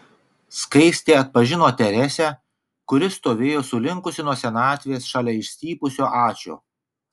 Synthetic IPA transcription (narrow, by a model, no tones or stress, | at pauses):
skɐɪsʲt̪ʲeːɐt̪̚pɐʒʲɪnoːt̪ʲɛɾʲɛsʲæ | kʊɾʲɪst̪oːʋʲeːjoːsʊlʲɪŋkʊsʲɪnuɔsʲɛnɑːt̪ʲʋʲeːsʃɑlʲɛɪʃʲsʲt̪ʲiːpʊsʲoːʔɑːt͡ʃʲo̰ː